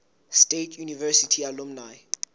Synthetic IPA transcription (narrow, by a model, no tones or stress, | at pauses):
stetʰjunivɛsitʰialumnaj